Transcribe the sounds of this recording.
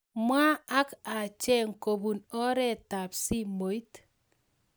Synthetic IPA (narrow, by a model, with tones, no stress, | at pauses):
mwa˦a˦ka˨t͡ʃɛ˦ŋ̩˨ko˨bu˨nɔ˦ɾɛ˦˨ta˨psi˦mo˨˦i˦t